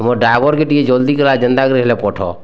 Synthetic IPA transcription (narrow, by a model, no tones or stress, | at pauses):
moɖaɡoɾkeʈied͡ʒold̪ikelad͡ʒənd̪akɾeɦlepɔʈʰɔ̰